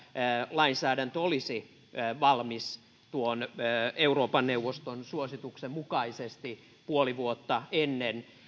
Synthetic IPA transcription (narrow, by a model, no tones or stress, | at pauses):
lɑinsæːdænt̪olisi | ʋɑlmis | t̪uonːeuroːpɑnːeuʋːost̪onsuosit̪uksemmukɑisest̪i | puoliʋuot̪ːɑenːen